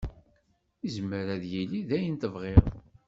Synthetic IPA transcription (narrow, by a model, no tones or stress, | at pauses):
izmːəɾæðjiliðæjənt̪əvʁeʁ